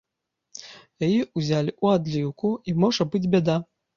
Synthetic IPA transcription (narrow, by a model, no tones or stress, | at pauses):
jajiuzʲalʲiʔuad̪lʲiwkuimɔʐɐbɨd͡zʲbʲɛd̪a